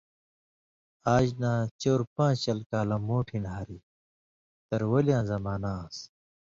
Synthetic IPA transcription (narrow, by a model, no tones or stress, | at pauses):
aːd͡ʑnãːt͡ɕoːɾpãːt͡ɕt͡ɕɐlkaːlãmoːʈʰĩnaːɾi | t̪ɐɾwɐlijãːzɐmaːnaːs